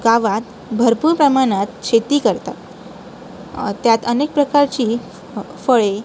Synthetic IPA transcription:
ɡaʋat̪ | bʱəɾpuːɾpɾəmaɽ̃at̪ɕet̪iːkəɾt̪at̪ | t̪jat̪ənek̚pɾəkaɾt͡ɕiː | fəɭe

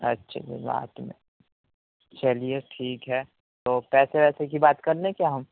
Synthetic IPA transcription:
ɐtːʃʰa̰d͡ʒḭba̰ːt̪mḛ̃ | t͡ʃɐlieʈʰiːkɦɛː | t̪oːpɛːseʋɛːsekibaːt̪kɐɾleekjaɦɐm

